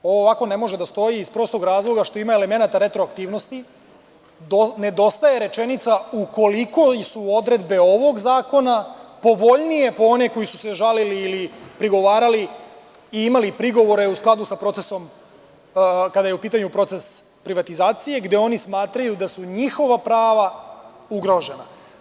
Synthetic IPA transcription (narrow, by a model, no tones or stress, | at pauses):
o̞ʋoːʋako̞ne̞mo̞ʒed̪ast̪o̞jiːspɾo̞st̪o̞ɡɾaːzlˠo̞ɡaʃt̪o̞imae̞le̞me̞nat̪aɾe̞t̪ɾoakt̪iːʋno̞st̪i | one̞d̪o̞st̪aje̞ɾe̞t͡ʃenit̪sauko̞liko̞suo̞d̪ɾe̞d̪be̞o̞ʋo̞ɡzaːko̞napo̞ʋo̞ʎnije̞po̞oneko̞jisu̥seʒaliliːlipɾiɡo̞ʋaːɾali | iimalipɾiɡo̞ʋo̞ɾe̞usklˠad̪usapɾo̞t̪seso̞m | kad̪ajeupiːt̪aɲupɾo̞t̪se̞s | pɾiʋat̪izaːt̪sije̞ɡd̪e̞o̞nismaːt̪ɾajud̪asuɲixo̞ʋapɾaːʋauɡɾo̞ʒe̞na̰